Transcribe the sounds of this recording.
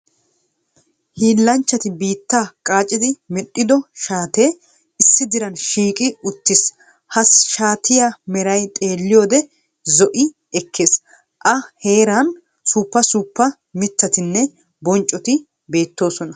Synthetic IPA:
hiːlːɐnt͡ʃːɐt̪ɪbiːt̪ːakʼaːt͡ʃʼɪd̪ɪmɛɗʼːɪd̪ɔʃaːt̪e̞ː | ɪsːɪd̪ɪɾɐnʃiːkʼɪʊt̪ːɪs | hɐsʃaːt̪ɪjamɛɾɐjt̪ʼe̞ːlːɪjoːd̪ɛ | zɔʔɪ | ɛkʰːes | ʔɐhe̞ːɾaːn | suːpːɐsupːɐ | mɪt̪ːɐt̪ɪnːɛ | bɔnt͡ʃʼːɔt̪ɪ | be̞ːt̪ːo̞ːsɔnɐ

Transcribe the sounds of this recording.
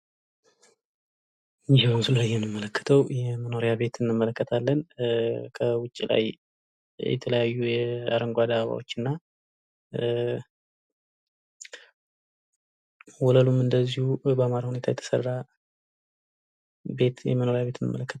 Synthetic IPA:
ɲd͡ʒmsulləjɛnːɨmːələkʰːə̥t̪ʰəwjɛməno̞ɾijaβe̞t̪ʰɨnːɨmːələkːət̪ʰalːənkʰəwʊt͡ʃʼːila̰j | jɛ̰t̪ʰələjajːujɛa̰ɾəŋɡʷad̪aββa̰wo̞t͡ʃːɨnːa | wɔləlumɨnd̪əzːihubəmaɾahune̞t̪ʰajɛt̪ʰə̥sə̰rːa | be̞t̪jɛ̰məno̞ɾjaβe̞t̪ʰɨnːɨmːələkːə̥t̪

